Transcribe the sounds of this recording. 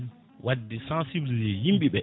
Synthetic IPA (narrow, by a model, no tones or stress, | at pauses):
wʔadːɛsãnsibilid͡ʒɛjimɓiɓɛ